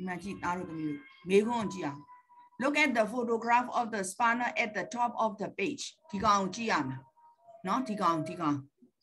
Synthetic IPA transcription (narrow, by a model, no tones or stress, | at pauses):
mat͡ʃit̪aɾot̪əmomeɡõt͡ʃian | lʊkɛt̚d̪əfotoɡɾafɔfd̪əspanəʔɛt̚d̪ətɔpɔfd̪əped͡ʒtʰikãw̃t͡ʃiana | not̪ikãw̃t̪ʰikã